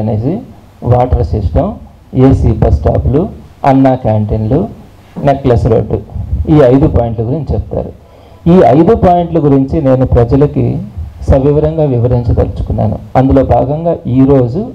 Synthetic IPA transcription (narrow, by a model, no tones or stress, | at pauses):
ɐneːd͡ʒi | ʋaːʈɐɾsisʈɐm | eːsiːbɐsʈa̰ːpluɐ̰nːaːkaːɳʈinlu | neklɐsɾo̰ɖːuiːɐjd̪upaːjiɳʈluɡuɾiɲt͡ʃit͡ʃɛpt̪a̰ːɾu | iːɐjd̪upaːjiɳʈluɡuɾiɲt͡ʃine̞ːnupɾɐd͡ʒɐlɐkḭsɐʋiʋɐɾɐŋɡaːʋiʋɐɾiɲt͡ʃɐt̪ɐlut͡ʃu̥kunːa̰ːnṵɐnd̪ulo̞ːbʱaːɡɐŋɡaːʔiːɾo̞ːd͡ʒu